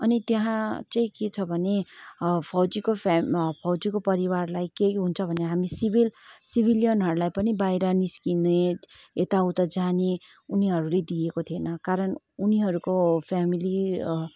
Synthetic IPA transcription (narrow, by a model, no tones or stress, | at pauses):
ʌnit̪jʌɦãt͡saĩket͡sʰʌbʱʌnepʰʌwd͡zikopʰpʰʌwd͡zikopʌɾiwarlajkejɦunt͡sʰʌbʱʌneɦamisibilsibʱilijʌnɦʌɾulajpʌnibajɾʌniskineet̪aut̪ʌd͡zane | uniɦʌɾuled̪iekot̪ʰienʌkaɾʌn | uniɦʌɾukopʰamili